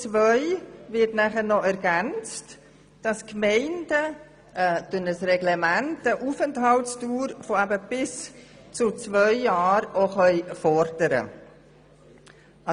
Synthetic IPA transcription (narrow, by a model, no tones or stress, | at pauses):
t͡svœʏvɪɾtnæχənɔʔɛɾɡænt͡st | d̥ɑskmɛɪndə | tønəsrɛɡlɛmæntəʔuːfəntɦɑltstuːɾfoæbəb̥ɪs | t͡sʊt͡svœʏjɑːɾoχœʏfɔɾd̥əɾə̰